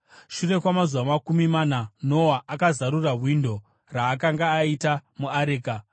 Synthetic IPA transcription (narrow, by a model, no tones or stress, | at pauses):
ʃure̞kwamazuʋamakumimanano̞waʔakazaɾuraɦwindo̞ | raːkaŋɡaːitamuaɾeːka